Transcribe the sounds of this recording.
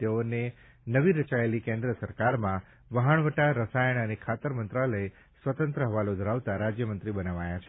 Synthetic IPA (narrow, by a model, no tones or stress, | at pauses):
t̪eone | nəʋiɾət͡ʃaelikẽnd̪ɾəsəɾkaɾmã | ʋəɦəɳ̃ʋəʈaɾəsajəɳənekʰat̪əɾmənt̪ɾaləe | sʋət̪ə̃nt̪ɾəɦəʋalod̪ʱəɾaʋt̪aɾad͡ʒjəmənt̪ɾibənaʋajat͡ʃʰe